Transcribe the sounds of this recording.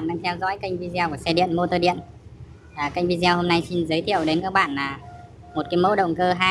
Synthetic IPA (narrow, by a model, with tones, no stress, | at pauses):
nɗaː˧ŋt̪ʰɛ˧wzɔ̰˧˥jki˧jŋ̟vi˧zi˧a˧ku˧˩sɛ˧ɗḭ˧˨ənmo˧t̪əː˧ɗḭ˧˨ən | aː˨˩ka˧jŋ̟vi˧za˧who˧mna˧jsi˧nzəː˨˦jt̪ʰḭ˧˨əwɗe˨˦nkaː˦˥k̚ɓa̰ː˧˨nlaː˨˩ | mo˨˩t̚kaː˨˦jmə̰˧˥ɗə̰˧˨wŋ͡mkəː˧ɦaː˧